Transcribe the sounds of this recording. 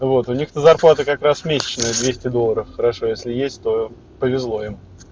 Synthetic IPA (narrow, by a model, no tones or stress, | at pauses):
vo̞t̪ʊnʲixt̪əzɐrplˠat̪əkɐkɾasmʲesʲɪ̥t͡ɕnəjəd̪vʲesʲtʲɪd̪o̞lˠːəɾəfxəɾɐʂo̞jesʲlʲɪjesʲtʲt̪o̞ | pəvʲɪzlˠo̞im